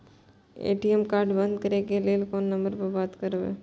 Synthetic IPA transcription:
ḛːʈiemkaːɾɖbənd̪kɐɾekeleːlkoːnːə̃mbəɾpəɾbaːt̪kəɾʋḛ

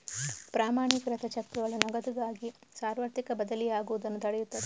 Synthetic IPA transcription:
pɾaːmaːɳikɾɐt̪ʰɐt͡ʃɐkt̪uʋɐɭɐnɔɡɐd̪uɡ̪aːɡisaːɾʋɐɾt̪ikɐbɐd̪ɐlijaːɡuʋud̪ɐnːut̪ɐɭɛjut̪ːɐd̪e

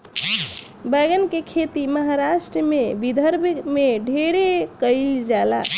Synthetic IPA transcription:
bəɡənkekʰet̪iməɦaɾaʃʈɾəmebid̪ʱəɾbmeɖʱeɽekəɪld͡ʒala̰

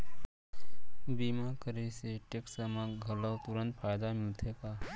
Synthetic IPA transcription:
biːmakəɾeseʈeksəmãɡʱələwt̪ʊɾə̃nt̪̚fʰajd̪amɪlt̪ʰeːka

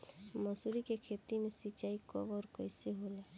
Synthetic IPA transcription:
məsuɾikekʰet̪imesit͡ʃaːikɔ̰bɔːɾkɔɪseɦole

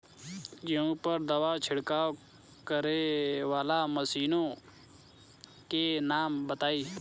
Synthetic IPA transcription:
ɡɪũːpəɾd̪əʋaːt͡ʃʰɪɽkaː | kəɾeːʋaːlaːməsiːnõː | keːnaːmbət̪aːiː

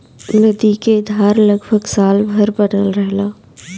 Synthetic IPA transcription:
nəd̪iked̪ʱaːɾləɡbʱəɡsaːlbʱəɾbəɖəlɾəɦlaː

